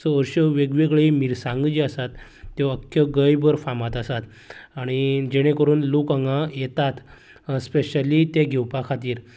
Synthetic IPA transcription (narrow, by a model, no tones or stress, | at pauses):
səəɾɕəʋeɡʋeɡɭimiɾsãŋɡd͡ʑiəsat̪ːjɔəkʰːjəɡəjbəɾfamat̪əsat̪ | aɽ̃id͡ʑeɽ̃ẽkəɾuːnlokəŋɡãjet̪at̪ | speɕəlit̪eɡʱɛwpakʰat̪iːɾ